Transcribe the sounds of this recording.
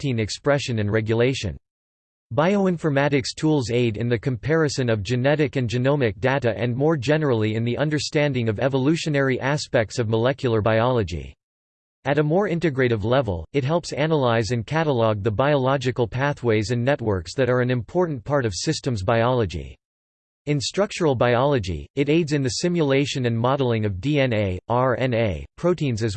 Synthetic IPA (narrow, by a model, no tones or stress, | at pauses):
tĩnɨkspɹɛʃɨ̃nɨ̃nɹɛɡjɨleɪʃɨ̰̃n | baɪoʊɪ̃ɱfə˞mæɾɨkstʰulˠzeɪɾɨ̃nðɨkʰɨ̃m̩pʰɛɹɨsɨ̃nʌvd͡ʒɨnɛɾɨkɨ̃nd͡ʒɨnõʊmɨk̚d̥eɾɨʔɨ̰̃nmɔɹd͡ʒɛnə˞l̩ˠiɨ̃nðiʔʌ̃ndə˞stæ̃ndɪ̃ŋʌvɛvəlʉʃɨ̃nɛɹiʔæspɛk̚tsʌvməlɛkʰjl̩ˠə˞baɪɑlˠəd͡ʒḭ | ɨɾəmɔɹɪ̃ntɨɡɹeɪɾɨvlɛvə̰l̩ˠɨt̚ɦɛlˠpsænəlaɪzɨ̃nkʰæɾəlɔɡ̚ðəbaɪəlɑd͡ʒɨkl̩ˠpʰæθweɪzɨ̃nːɛt̚wɜ˞ksðɨɾə˞ɨ̃nɨ̃mpʰɔɹʔn̩pʰɑɹɾʌv̥sɪstə̃mzbaɪɑlˠəd͡ʒḭ | ɨ̃nstɹ̥ʌk̚t͡ʃə˞l̩ˠbaɪɑlˠəd͡ʒḭɨɾeɪdzɨ̃nðɨsɪ̃mjəleɪʃɨ̃nɨ̃nmɑɾl̩ˠɪ̃ŋʌvdiɛ̃neɪɑɹɛ̃neɪpʰɹ̥oʊɾĩnzɨz